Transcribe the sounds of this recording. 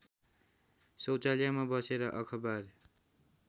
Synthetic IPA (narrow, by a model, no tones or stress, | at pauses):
sʌwt͡saljamabʌseɾʌʔʌkʰʌbar